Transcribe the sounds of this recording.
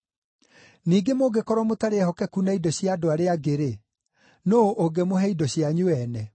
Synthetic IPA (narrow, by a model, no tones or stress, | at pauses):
niːɡemoɡekɔɾwɔmotaɾeɛhɔkɛkunaidɔɕjiadoaɾeaɡeɾe | noʔoɡemoɦɛidɔɕjaɲoɛnɛ